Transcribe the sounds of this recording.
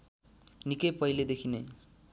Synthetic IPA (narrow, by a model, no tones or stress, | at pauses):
nikʌjpʌiled̪ekʰine